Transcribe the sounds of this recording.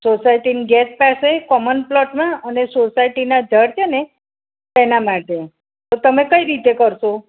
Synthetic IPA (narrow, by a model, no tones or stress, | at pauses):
sosajʈiniɡɛt̪̚pasekɔmənplɔʈmãənesosajʈinad͡ʒʱəɽt͡ɕene | t̪ɛnamaʈe | t̪ot̪əmẽkəiɾit̪ekəɾso